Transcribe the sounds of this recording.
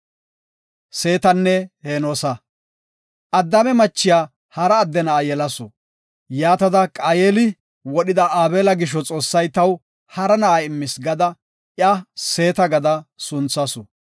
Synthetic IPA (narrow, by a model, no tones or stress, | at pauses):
seːt̪ɐnːɛheːnoːsɐ | ʔɐd̪ːɐbɛmɐt͡ʃːɪjaː | hɐɾɐːd̪ːɛnɐːjɛlɐsɔ | jaːt̪ɐd̪ɐkʼaːjeːlɪ | wɔɗɪd̪ɐaːbeːlɐɡɪʃ̬ɔt͡sʼo̞ːsːɐjt̪ɐw | hɐɾɐnɐʔaɪmːɪsɡɐd̪ɐ | ʔjɐse̞ːt̪ɐɡɐd̪ɐsʊnt͡sːɐsɔ